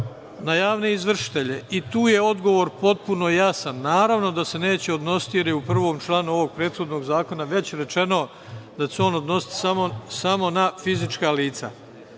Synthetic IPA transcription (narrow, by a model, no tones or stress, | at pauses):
najaːʋne̞izʋr̩ʃi̥t̪e̞ʎe̞it̪uːje̞o̞d̪ɡo̞ʋo̞ːɾpo̞t̪̚puno̞jasanːaːɾaʋno̞d̪ase̞ne̞ːt͡ɕeo̞d̪no̞si̥t̪ije̞ɾjeupr̩ʋo̞ːmt͡ʃlˠaːnuo̞ʋo̞ɡ̚pɾeːd̪xo̞d̪no̞ːɡzaːko̞naʋe̞t͡ɕɾe̞t͡ʃe̞no | d̪at͡ɕeo̞ːno̞d̪no̞si̥t̪samosamo̞nafizit͡ʃkaliːt̪sa̰